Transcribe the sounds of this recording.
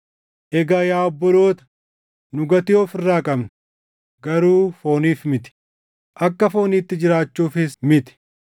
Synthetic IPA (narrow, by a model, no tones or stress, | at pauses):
ʔɛɡaːjaːɔbːɔlo̞ːt̪ɐ̥ | nʊɡɐt̪ɪjoːfɪrːaːkʼɐmnɐ | ɡɐɾuːfo̞ːniːfmɪt̪ɪ̥ | ʔɐkːɐfo̞ːniːt̪ːɪd͡ʒɪɾaːt͡ʃːuːfɪsmɪt̪ɪ̥